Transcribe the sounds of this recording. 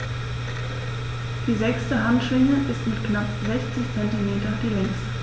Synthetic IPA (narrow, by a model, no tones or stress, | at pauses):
d̥iːzɛkstəɦantʃvɪŋəʔɪstmɪtknapzɛçt͡sɪçt͡sɛntimeːtɐdiːlɛŋst